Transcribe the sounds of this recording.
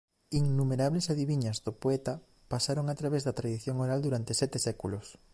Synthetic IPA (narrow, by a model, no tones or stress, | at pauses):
iŋnumeɾaβlesaðiβiɲɐzðopoɛt̪a | pasaɾoŋat̪ɾaβezðat̪ɾaðiθjoŋoɾald̪uɾant̪esɛt̪esɛkulos